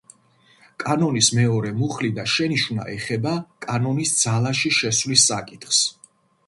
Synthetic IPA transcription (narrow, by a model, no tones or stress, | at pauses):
kʼanɔnismɛɔɾɛmuχlid̪aʃɛniʃuna̰ʔɛχɛbakʼanɔnisd̪z̥alaʃiʃɛsvlisːakʼit̪ʰχs